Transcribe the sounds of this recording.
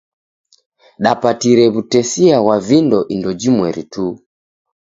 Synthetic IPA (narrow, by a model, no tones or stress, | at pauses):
ɗapatiɾɛβutɛsiawavindɔʔindɔd͡ʒimwɛɾḭtu